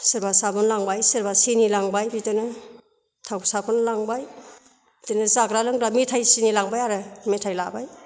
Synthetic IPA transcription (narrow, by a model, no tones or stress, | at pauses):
sɯɾbasabʰɯnlaŋbajsɯɾbasinilaŋbajbitɯnɯ | tʰawsabʰunlaŋbaj | tɯnɯzaɡɾalɯŋɾametʰajsinilaŋbajaɾɯmetʰajlabaj